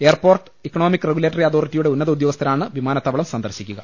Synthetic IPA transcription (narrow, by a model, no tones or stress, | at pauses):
e̞ːrpoːrʈɨ̥ikːɐɳoːmikːreɡuleːʈːɐriɐðo̞ːritːijuɽe̞unːɐðɐud̪joɣɐst̪ʰɐɾnaːɳɨʋimaːnɐt̪ːɐʋɐɭɐmsɐnd̪ɐrɕikʲːuɣɐ